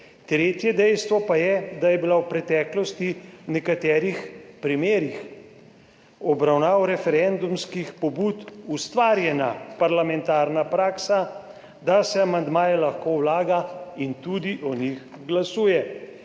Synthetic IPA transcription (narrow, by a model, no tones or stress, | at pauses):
t̪ɾeːt̪jɛd̪ɛjst̪ʋɔpajɛd̪ajɛbilawpɾɛt̪ɛːklɔst̪inɛkat̪ɛːɾixpɾimeːɾix | ɔbɾawnaːwɾɛfɛɾɛnd̪umskixpɔbut̪ust̪ʋaːɾjɛna̰paɾlamɛnt̪aːɾnapɾaːksa | d̪asɛamand̪maːjɛlaxkowlaːɡaint̪ud̪iʔɔnixɡlasuːjɛ